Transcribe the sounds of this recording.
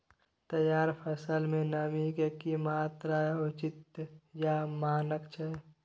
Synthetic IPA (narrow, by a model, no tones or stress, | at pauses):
t̪əjaːɾpʰəsəlmẽnamikekimaːt̪ɾaʊt͡ʃɪt̪jamaːnəkt͡ʃʰɛ